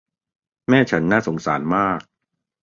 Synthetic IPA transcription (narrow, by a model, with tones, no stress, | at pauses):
mɛː˥˩t͡ɕʰa˦˥nːaː˥˩so˩˦ŋsa̰ː˩˦nmaː˥˩k̚